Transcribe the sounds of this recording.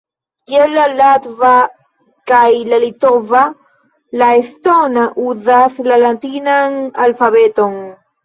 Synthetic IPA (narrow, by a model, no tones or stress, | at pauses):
kelalat̪va | kajlalit̪ova | laest̪onaʔuðaθlalant̪inaŋalfaβet̪oŋ